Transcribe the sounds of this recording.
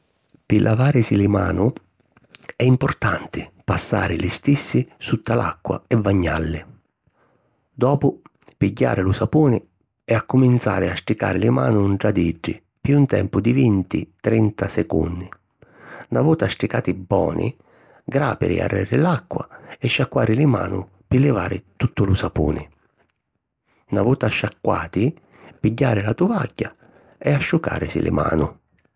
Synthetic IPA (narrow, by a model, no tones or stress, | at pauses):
pɪlʔavaːɾɪsilɪma̰ːnʊ | ɛimpʊrt̪ant̪ɪpasːa̰ːɾɪlɪst̪isːɪsut̪ʰːalʔa̰kːwa̰ɛvːaɲːalːɪ | d̪ɔːpʊ | piɟːa̰ːɾɪlʊsapuːnɪ | ɛakːʊmint̪sa̰ːɾɪasʈ̪ɾika̰ːɾɪlɪma̰ːnʊɳʈɽad̪id͡ʒːɪ̰ | pjuːnt̪ɛ̰mpʊd̪ivint̪ḭt̪ɾɛnt̪asɛkṵnːi | navuːt̪asʈ̪ɾikaːt̪ibːɔ̰ːnʔḭ | ɡɾaːpɪ̰ɾḭa̰rːɛːɾɪlakːwa̰ɛʃːakːwaːɾɪlɪma̰ːnʊ | pɪlːɪvaːɾɪt̪ut̪ːʊlʊsapṵːnɪ | navuːt̪aʃːakːwaːt̪i | piɟːaːɾɪlat̪uvaɟːa | ɛaʃːuka̰ːɾɪsḭlʔɪ̰ma̰ːnʊ